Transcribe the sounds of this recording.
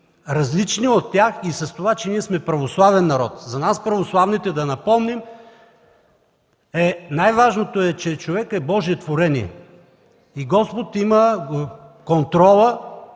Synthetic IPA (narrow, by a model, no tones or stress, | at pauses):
ɾɐzlit͡ʃniot̪ːʲjaxisɐst̪ovat͡ʃɛniɛsmɛpɾɐvoslˠavɛnːɐɾɔt̪zɐnaspɾɐvoslˠavnit̪ɛd̪ɐnɐpɔmnim | ɛnajvaʒnot̪oɛt͡ʃɛt͡ʃovɛkɛbɔʒiɛt̪voɾɛniɛ̰ | iɡɔspot̪imə | kont̪ɾɔlˠə